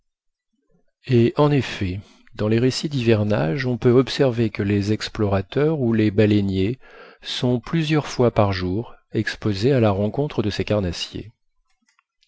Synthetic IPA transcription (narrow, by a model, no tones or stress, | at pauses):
eʔɑ̃nefɛ | d̪ɑ̃leʁesid̪ivɛʁna̰ʒɔ̃pøɔpsɛʁvekəlezɛksplɔʁat̪œʁulebalenjesɔ̃plyzjœʁfwapaʁʒuʁɛkspozealaʁɑ̃kɔ̃t̪χəd̪əsekaʁnasjḛ